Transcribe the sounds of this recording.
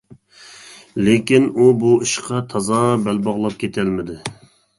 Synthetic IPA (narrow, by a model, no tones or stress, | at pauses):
lekʲinubuiʃqʰɑt̪ʰɑzɑbælbɑʁlˠɑp̚kʲʰet̪ʰɛlmɪd̪ɪ